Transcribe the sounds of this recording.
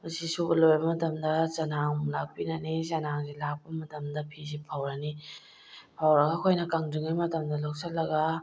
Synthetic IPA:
mɐsisubɐlojbɐmɐtɐmdɐt͡ʃɐnaŋlak̚pinɐnizɐnaŋzilak̚pɐmɐtɐmdɐpʰis̬ipʰawɾɐni | pʰawɾɐɡɐkʰojnɐkaŋdɯŋajmɐtɐmdɐlok̚sɐl̚ːɐɡɐ

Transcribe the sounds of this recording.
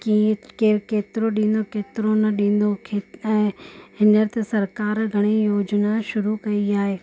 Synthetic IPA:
kikekeːt̪ɪɾoɗĩːn̆d̪okeːt̪ɪɾonɐɗĩːn̆d̪okʰeɛ̃ːɦɪnəɾt̪esɐɾkaːɾɡʱɐɽ̃ijoːd͡ʑnaʃʊɾukɐiaːɦeː

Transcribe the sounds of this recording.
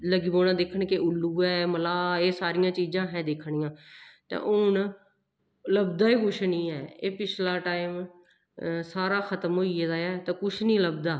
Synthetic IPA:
ləɡiːboːɽãːd̪eːkʰəɳkeʊlːuːɛːməlaːeːsaːɾɪjãːt͡ʃiːd͡ʒãːɦɛ̃ːd̪eːkʰɳĩːjãːt̪ḛ̃ːʔʊn | ləbd̪aːiːkʊʃʰnĩːɛːeːpɪt͡ʃʰlaːʈaːiːm | saːɾaːxʰət̪əmɦoːied̪aːɛːt̪ẽːkʊʃʰnĩːləbd̪aː

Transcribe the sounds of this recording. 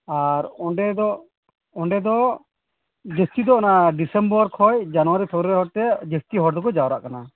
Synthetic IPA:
aɾɔɳɖɛd̪ɔ | ɔɳɖɛd̪ɔ | d͡ʒest̪id̪ɔʔɔnaɖisɛmbɔɾkʰɔjd͡ʒanɔwaɾipʰɔɡɾɾɛɦɔɽt̪ɛd͡ʒest̪iɦɔɾd̪ɔkɔd͡ʒawɾa̰ʔkana

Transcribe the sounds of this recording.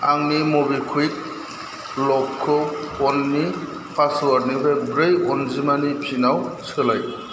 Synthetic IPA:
aŋnimɔbikʰujk̚ | lɔkʰːɯɔnːi | pʰasuaɾnibek̚bɾejɔnzimanipʰinawsɯlaj

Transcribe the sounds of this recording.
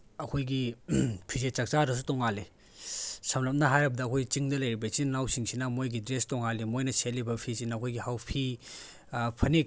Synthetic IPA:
ɐkʰojɡipʰizet͡ʃɐk̚t͡ʃaɾɐs̬utɔŋali | sɐmlɐp̚nɐɦajɾɐbɐdɐɐkʰojɡit͡ʃiŋdɐlɐjɾibɐt͡ʃiŋnawsiŋsinɐmojɡidɾestɔŋalimojnɐselːibɐpʰisinɐɐkʰojɡihawpʰi | pʰɐnik̚

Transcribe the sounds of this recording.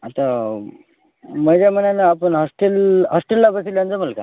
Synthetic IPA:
at̪a | məd͡ʑjamənanəapəɳɦɔsʈəlɦɔsʈəlːabəsiland͡zəməlka

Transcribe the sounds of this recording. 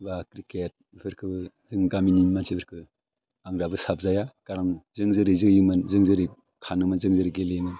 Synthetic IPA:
bakɾiket̚pʰɯɾkʰɯbɯ | zɯŋɡamininmansʰibʰɯɾkʰɯ | aŋɾabɯsap̚zajaɡ̥aɾaŋzɯŋzɯɾizɯjɯmɯnzɯŋzɯɾi | kʰanɯmɯnzɯŋzɯɾiɡeljɯŋɯn

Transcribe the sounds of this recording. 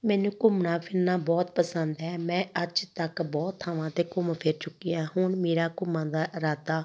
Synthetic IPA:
mɛːnũːkʊmnãːpʰɪɾnaːbɔːt̪pəsənd̪ɛːmɛ̃ːʔəd͡ʒt̪əkbɔːt̪ʰːaːʋãːt̪eːkʊmpʰɪɾt͡ʃʊkːijaːhʊɳmeːɾaːkʊmãːd̪aːɾaːt̪aː

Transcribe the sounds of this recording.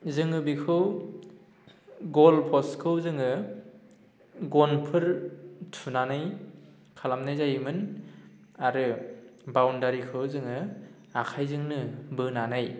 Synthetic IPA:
zɯŋɯbikʰɯw | ɡɔlpʰɔskʰɯwzɯŋɯ | ɡɔnpʰɯɾtʰunanaj | kʰalamnajzajmɯn | aɾɯbawndaɾikʰɯwzɯŋɯ | akʰajzɯŋnɯbɯnanaj

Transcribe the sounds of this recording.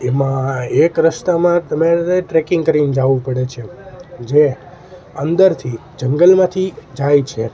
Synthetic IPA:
emãekɾəʃt̪amãt̪əmeeʈɾekɪ̃ŋɡkəɾind͡ʒaʋũpəɽet͡ʃʰed͡ʒe | ənd̪əɾt̪ʰid͡ʒəŋɡəlmãt̪ʰid͡ʒajt͡ʃʰe

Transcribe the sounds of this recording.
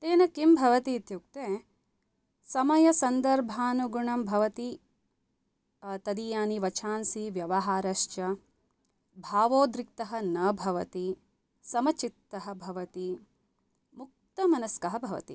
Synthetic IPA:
t̪eːnɐkimbʱɐʋɐt̪iːt̪juk̚t̪eː | sɐmɐjɐsɐnd̪ɐɾbʱaːnuɡuɳɐmbʱɐʋɐt̪i | t̪ɐd̪ijaːniʋɐt͡ʃʰaːnsiʋjɐʋɐɦaːɾɐʃt͡ʃɐ | bʱaːʋoːd̪ɾik̚t̪ɐɦɐnɐːbʱɐʋɐt̪i | sɐmɐt͡ʃit̪ːɐɦɐ̆bʱɐʋɐt̪i | muk̚t̪ɐmɐnɐskɐɦɐbʱɐʋɐ̰t̪ḭ

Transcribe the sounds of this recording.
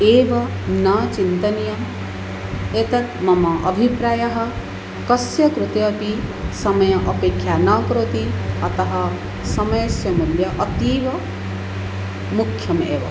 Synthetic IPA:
eːʋɐ | nat͡ʃint̪ɐnijɐ | et̪ɐt̪mɐmɐʔɐbʱipɾaːjɐɦɐ̆ | kɐsjɐkɾut̪ejɐpisɐmɐjɐʔɐpeːkʰjaːnaːkɾoːt̪iɐt̪ɐɦɐ | sɐmɐjɐsjɐmuljɐʔɐt̪iːʋɐ | mukʰjɐmḛːʋɐ̰

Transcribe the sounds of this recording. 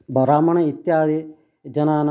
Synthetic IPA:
bɐɾaːmɐɳɐit̪jaːd̪i | d͡ʒɐnaːnɐ

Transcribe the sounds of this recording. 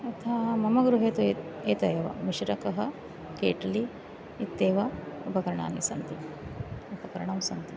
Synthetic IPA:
ɐt̪ʰɐamɐmɐɡɾuɦeːt̪u | eːt̪ɐjɐʋɐ̰miʃɾɐkɐɦɐ | kḛːʈɐliː | t̪ːeːʋɐupɐkɐɾɐɳa̰ːnisɐnt̪i | upɐkɐɾɐɳɐmsɐnt̪i

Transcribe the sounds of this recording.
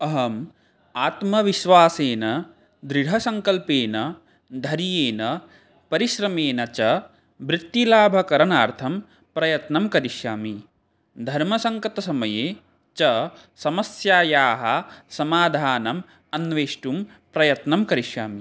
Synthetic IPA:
ɐɦɐm | aːt̪mɐʋiʃʋaːseːnɐ | d̪ɾiɽʱɐsɐŋkɐlpeːnɐ | d̪ʱɐɾijeːnɐ | pɐɾiʃɾɐmeːnɐt͡ʃɐ | bɾɪt̪ːilaːbʱɐkɐɾɐnaːɾt̪ʰɐm | pɾɐjɐt̪nɐmkɐɾiʃjaːmi | d̪ʱɐɾmɐsɐŋkɐt̪ɐsɐmɐjeː | t͡ʃɐ | sɐmɐsjaːjaːɦɐsɐmaːd̪ʱaːnɐm | ɐnʋeːʂʈum | pɾɐjɐt̪nɐmkɐɾiʃjaːmi

